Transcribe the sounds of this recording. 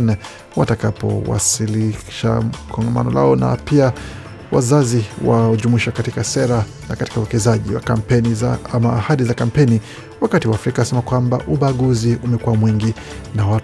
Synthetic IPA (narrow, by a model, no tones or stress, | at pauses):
nɛ | watakapɔ̰wa̰siliʃa̰kʰɔŋɡama̰nɔla̰ɔna̰pia | wa̰zaziwa̰ʄumiʃakatikasɛɾa | nakati̥kauwɛkɛzaʄiwa̰kam̩pɛniamaːhaɗizakam̩pɛni | wakatiwaːfɾikasɛmakwambaʔuɓaɠuziumɛkuwamwiŋɡi | nawa